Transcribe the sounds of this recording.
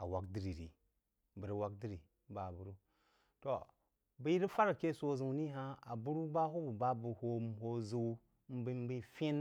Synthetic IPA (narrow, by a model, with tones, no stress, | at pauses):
a̰˨wa˨kdi˦ɾi˨ɾḭ˨ | bə˨ɾi˨wa˦k̚di˦ɾi˨˦ | ba˨bu˨ɾu˦ | to˨ | bə˦ɾi˦fa˦ɾke˦so˦zu˨wni˦ɦa˦a˨bu˦ɾu˦ba˦hu˦bu˨ba˦bu˨ho˦mho˦zu˦w | m̩˦bi˦m˦bi˦fe˦n